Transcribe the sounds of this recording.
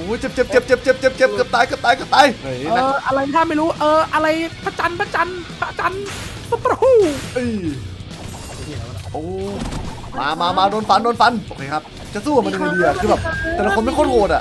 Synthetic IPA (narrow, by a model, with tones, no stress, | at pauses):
ʔoː˨˦jt͡ɕe˧˩p̚t͡ɕe˧˩p̚t͡ɕe˧˩p̚t͡ɕe˧˩p̚t͡ɕe˧˩p̚t͡ɕe˧˩p̚t͡ɕe˧˩p̚kɤː˨˧˩p̚t̪aː˧jkɤː˨˧˩p̚t̪aː˧kɤː˨˧˩p̚t̪aː˧ja˨˩naː˦˧ʔa˧ɾa˧jt̪ʰaː˥˩ma˥˩jɾuː˦˥ʔɤː˧ʔa˧ɾa˧jpʰa˦˧˥t͡ɕa˧npʰa˧˥t͡ɕa˧npʰa˦˧˥t͡ɕa˧n | so˧˦phu˧˥˩ʔɯː˧˩˨ | i˧˩a˨˩˧ʔoː˧˩ | maː˧maː˧maː˧doː˧nfa˧˥ndoː˧nfa˧˥nt̪ɔː˨˩kʰeː˧˩kʰa˦˥p̚ | t͡ɕa˨˩suː˥˩wa˨m˧nja˧ŋ˨˧di˧a˨˩kʰɯː˧bɛː˨˩p̚t̪ɛ˧˩la˧kʰo˧nma˥˩jkʰoː˧˥˩t̚hoː˨˩t̪̚ʔa̰˨˧˩